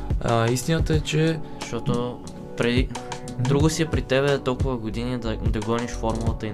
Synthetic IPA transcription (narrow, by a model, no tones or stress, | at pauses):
ist̪inət̪əɛt͡ʃɛzʃt̪ɔt̪o | pɾɛd̪i | d̪ɾuɡʊsiɛpɾit̪ɛβɛt̪ɔlˠkʊvəɡod̪inid̪ɐd̪ɐɡɔniʃfɔɾmulˠət̪əi